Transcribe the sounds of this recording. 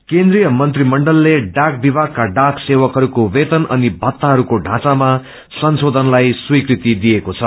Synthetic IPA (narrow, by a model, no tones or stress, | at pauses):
kẽnd̪rijʌmʌnt̪rimʌɳɖʌlːeɖak̚bibʱaɡ̚kaɖaksewʌkɦʌɾukowet̪ʌnʔʌ̰nibʱʌt̪ːaɦʌɾukoɖʱã̰t͡sama | sʌnsod̪ʱʌnlajswikrit̪id̪ijekot͡sʰʌ